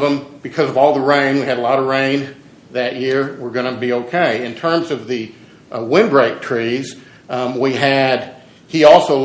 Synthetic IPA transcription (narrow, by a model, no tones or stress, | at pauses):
və̃mb̥ɨkʰʌzʌvɔlˠðəɹẽɪ̃nwiɨɾəlɔɾʌɹẽɪ̃n | ðɨʔ̚jɪɹwɪɹɡʌñɨbioʊkʰeɪɨ̃ntʰɜ̃˞mzʌvðɨ | wɪ̃nbɹeɪk̚tʰɹ̥iz̥ | wiɨd̚ | iɔlˠsoʊ